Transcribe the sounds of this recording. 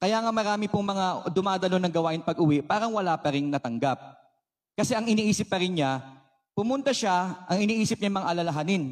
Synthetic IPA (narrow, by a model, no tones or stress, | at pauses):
kɐjaːŋamɐɾaːmɪpʊŋmɐŋad̪ʊmaːd̪ɐlo̞nɐŋɡɐwaːʔɪnpɐɡʊwɪʔpaːɾɐŋwɐlapɐɾɪnnɐt̪ɐŋɡap̚ | kɐsɛʔɐŋɪniːʔiːsɪp̚pɐɾɪnɲa | pʊmʊnt̪ɐʃaʔɐŋɪniːʔiːsɪp̚ɲajmɐŋa̰ʔɐlɐlɐɦanɪn